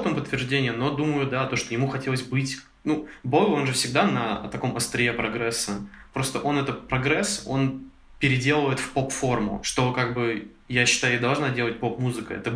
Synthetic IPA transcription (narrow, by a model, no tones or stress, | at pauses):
t̪əmʊpət̪ːvʲɪrʐdʲenʲɪjəno̞d̪uməjʊd̪at̪oʂt̪ojɪmuxɐtʲe̞lˠəs̬ʲbɨtʲ | nubolʲo̞nʐɨfsʲɪɡ̚d̪anət̪ɐko̞məst̪ɾʲɪepɾɐɡɾɛsːəpɾo̞st̪əʔo̞nɛt̪ət̪̚pɾɐɡɾɛso̞̰n | pʲɪɾʲɪdʲe̞lˠəvəjɪt̪fpo̞pfo̞rmʊ̰ʂt̪o̞kaɡ̚bɨ | jaɕːɪ̥t̪ajʊid̪ɐlˠʐnadʲelˠət̚ʲpo̞pmuzɨkə̰ɛ̰t̪ə